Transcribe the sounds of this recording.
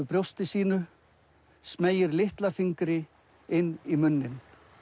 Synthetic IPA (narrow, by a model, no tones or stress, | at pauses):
ʏpɾjowst̪ɪsiːnʏ | smeːjɪɾlɪht̪lafiŋkɾɪ | ɪnːimʏnːɪn